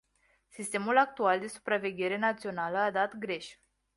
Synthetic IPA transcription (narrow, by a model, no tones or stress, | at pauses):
sist̪e̞mulak̚t̪uald̪e̞su̥pɾave̞ɡʲe̞ɾe̞nat̪sio̞naləad̪at̪ɡɾe̞ʃʲ